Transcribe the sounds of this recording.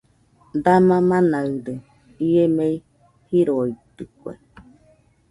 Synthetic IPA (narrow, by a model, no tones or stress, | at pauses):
d̪amãmãnaɾe | iemei | hiɾoit̪ɯkʷḛ